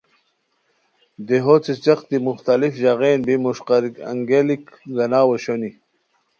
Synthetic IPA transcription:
d̪eɦot͡set͡ɕɐqt̪imuxt̪alifʑaɣeːnbimuɕqɑɾikɐ̰ŋɡelikɡɐnaːwɐɕoni

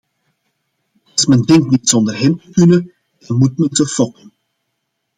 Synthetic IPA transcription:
ɑsmɛndɛŋktnitsɔndərɦɛmtəkynə | ɛnmut̚məntəfɔkən

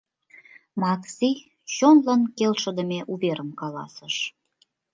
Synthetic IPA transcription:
mɑksi | t͡ɕonlɑnkelʃə̆d̪ə̆meʔuβeɾəmkɑlɑ̰səʃ

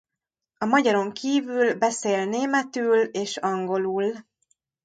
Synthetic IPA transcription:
ɒmɒɟɒɾo̞ŋkʰiːvylbɛseːlneːmɛt̪yːleːʃɒŋɡo̞luːl

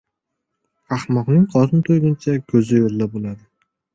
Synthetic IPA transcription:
ɑhmɒqnɪŋqʰɒɾɪnt̪ʰojɡʲɪnt͡ʃʰakʲʰɵzɪjoɾlabolˠad̪ɪ

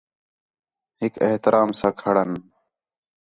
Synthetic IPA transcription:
hɪkeht̪ɪɾʔaːmsãːkʰəɽən

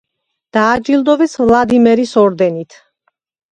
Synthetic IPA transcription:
d̪̥aːd͡ʒilˠd̪ɔvɛsvlˠad̪imɛɾisɔɾd̪ɛnit̪ʰ

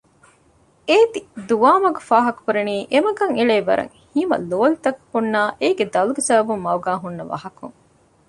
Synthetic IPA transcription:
eːt̪id̪uʋaːmɐɡɐfaːɦɐku̥kuɾeniːʔemɐɡɐŋeɭeːbɐ̰ɾʔɐ̰ŋhimɐ̰loːlit̪ɐkhunːaːʔeːɡed̪ɐluɡesɐbɐbumːɐwɡaːɦunːɐʋɐ̰hɐkṵŋ

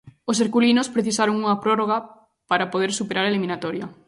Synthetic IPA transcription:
oseɾkulinospɾeθisaɾoŋuŋɐpɾoroɣ̞a | paɾapoð̞eɾsupeɾaɾaelimĩnat̪ɔɾja

